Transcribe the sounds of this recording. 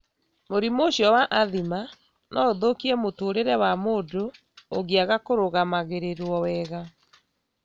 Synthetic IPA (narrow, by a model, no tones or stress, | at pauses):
moɾimoɕjɔwaʔaðima | nʔɔoðokiɛmotoːɾeɾɛwamoːdo | oɣiaɣakoɾoɣamaɣeɾeɾwɔwɛːɣa